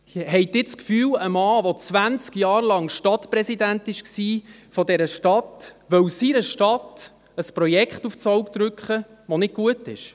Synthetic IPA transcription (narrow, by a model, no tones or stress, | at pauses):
hɛɪd̪ɪːt͡skfyːwəmɑːʋɔt͡sʋænt͡skjɑːɾlɑŋʃtɑtpɾɛsid̪æntɪʃksiː | fɔdɛɾəʃtɑtʋœwsiɾəʃtɑt | əspɾɔjɛkχtuft͡sɔwkt̪ɾʏkχə | ʋonɪd̚ɡ̥uətɪʃ